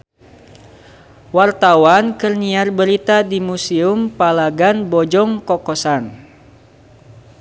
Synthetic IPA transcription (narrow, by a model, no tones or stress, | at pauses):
wart̪awankɨrniarbəɾit̪adimusiʊmpalaɡanbɔd͡ʒɔŋkɔkɔsan